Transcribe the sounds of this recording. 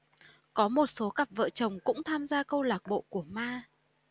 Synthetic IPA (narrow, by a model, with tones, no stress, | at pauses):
kɔ˨˦mo˨˩t̚so˨˦ka˨˩p̚və̰ː˧˨t͡ɕə˨˩wŋ͡mkʊ̰˧˥ŋ͡mt̪ʰaː˧mzaː˧kə˧wlaː˨˩k̚ɓo̰˧˨ku˧˩əmaː˧